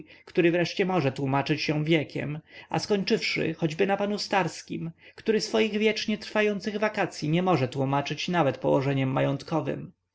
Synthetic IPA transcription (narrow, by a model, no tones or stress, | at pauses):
kt̪uɾɘvɾɛʂt͡ɕɛmɔʐɛt̪wumat͡ʂɘt͡ɕjɔ̃w̃vʲjɛkʲʰɛ̰ma̰skɔɲt͡ʂɘfʂɘ̰xɔd͡ʑbɘnapanust̪aɾskʲḭm | kt̪uɾɘsfɔjiɣvʲjɛt͡ʂɲɛt̪ɾfajɔnt̪sɘɣvakat̪sʲjiɲɛmɔʐɛt̪wumat͡ʂɘt͡ɕnavɛt̪pɔwɔʐɛɲɛmːajɔnt̪kɔvɘ̰m